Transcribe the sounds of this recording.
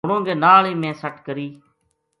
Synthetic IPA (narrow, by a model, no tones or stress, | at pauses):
ɳõːɡeːnaːɭeːmẽːsəʈkəɾiː